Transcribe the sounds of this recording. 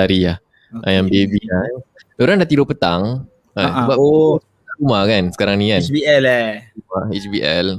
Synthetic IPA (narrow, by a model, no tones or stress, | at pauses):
aɾiah | ʔajaŋbebia | oɾaŋdaʔt̪idopət̪aŋ | əbas | aumahkansə̥kaɾaŋnikanbiɛlumait͡ʃbiʔɛ̰l